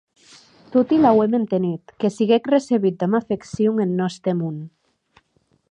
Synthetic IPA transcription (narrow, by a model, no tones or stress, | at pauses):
t̪ot̪ilawement̪enit̪kesiɣekreseβit̪̚d̪amafeksjoŋenːɔst̪ɾemun